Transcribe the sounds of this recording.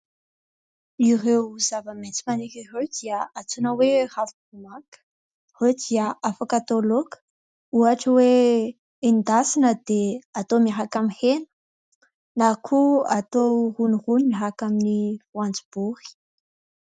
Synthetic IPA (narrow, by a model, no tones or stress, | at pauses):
irewzavəmet͡si̥manikʲiɦewd̪iəat͡sunəwerav | umakə̥ | hed̪iəʔafakat̪olokə̥ | uɦaʈ͡ʂəwe | ind̪asinəd̪eat̪omiɦakamihenə̥ | nakʰuat̪ohunirunimiɦakaminifwand͡zibuɾi̥